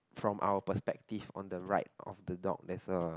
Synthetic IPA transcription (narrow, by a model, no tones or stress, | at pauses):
fɹɔ̃mʔa̰wəpəspɛk̚tifɔ̰̃ndəɹa̰ɪt̚ɔ̰fdədɔ̰k̚dɛsə